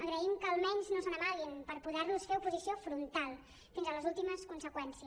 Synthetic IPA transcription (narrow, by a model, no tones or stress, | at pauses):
əɣɾəimkəːlˠmɛɲznosonəmalinpəɾpuðɛɾlusfeɾupuzisiofɾunt̪alˠ | finzələzulˠt̪iməskunsəkwɛnsiə